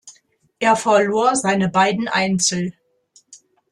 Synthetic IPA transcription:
ʔeːɐfɛɐloːɐzaɪnəbaɪdn̩ʔa̰ɪnt͡sl̩

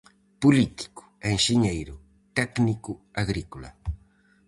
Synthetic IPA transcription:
pulit̪i̥kʊ̥eŋʃiɲejɾʊ | t̪ɛknikʊaɣɾikula̰

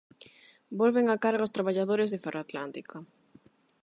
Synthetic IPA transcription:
bolβeŋakaɾɣaost̪ɾaβaʎaðoɾezðɪferʔat̪lant̪ika

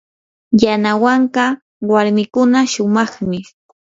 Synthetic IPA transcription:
janawaɴqɑ | waɾmɪkʊnaʃʊmɑχmɪ

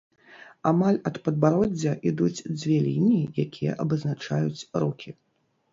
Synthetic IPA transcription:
amalʲɐt̪pɐd̪baɾɔd͡zʲːɐʔid̪ut͡sʲd͡zʲvʲɛlʲinʲiijakʲʰijɐ̰ʔɐbɨznat͡ʂajut͡sʲɾukʲʰi

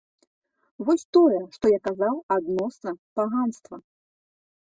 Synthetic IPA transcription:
vɔsʲt̪ɔjɛʂt̪ɔjakazawad̪nɔsnɐpaɣanst̪vɐ

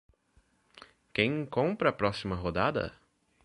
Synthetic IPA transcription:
kẽj̃kõmpɾɐːpɾɔsimɐɦod̪ad̪ɐ̰

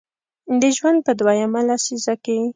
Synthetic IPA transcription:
d̪əʒwand̪̚pəd̪wajamalasizake

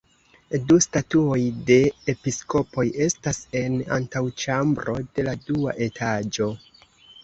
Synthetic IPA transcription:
dustatuo̞jde̞episko̞po̞je̞stase̞na̰ntawt͡ʃambɾo̞de̞ladua̰ʔe̞tʰad͡ʒo̞

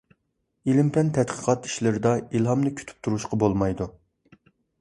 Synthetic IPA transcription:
ilɪmpʰɛnt̪ʰɛt̪qʰə̥qʰɑt̪i̥ʃlɪɾɪd̪ɑilˠɦɑmnɨkʲʰy̥t̪ʰy̥p̚t̪ʰuɾuʃqɑbolˠmɑjd̪u

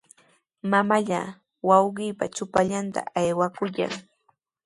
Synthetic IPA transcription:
mamaʎa | wɑwɢɪːpat͡ʃʊpaʎant̪a̰ajwakʊja̰ŋ

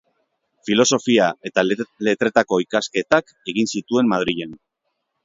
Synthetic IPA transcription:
filo̞so̞fiae̞t̪ale̞t̪ɾe̞t̪ako̞ikaske̞t̪ak | e̞ɣinsit̪ue̞mmað̞ɾiʎen

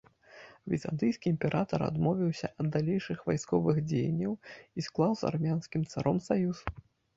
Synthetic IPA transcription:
vʲḭza̰nd̪ɨjskʲiːmʲpʲɛɾʔat̪ɐɾa̰d̪mɔvʲiwsʲɐʔɐd̪dːalʲejʂɨxvajskɔvɨxd͡zʲej̰nʲːɐwisklˠawza̰rmʲanskʲimt̪saɾʔɔmsajus

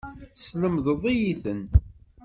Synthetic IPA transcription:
sləmðəðˤijiθən

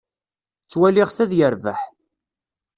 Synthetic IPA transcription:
t͡sːwælɪʁθæðjəɾvə̰ħ

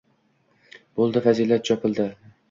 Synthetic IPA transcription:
b̥olˠd̪ɪfazilat̪̚t͡ʃɒpʰɪlˠd̪ɪ

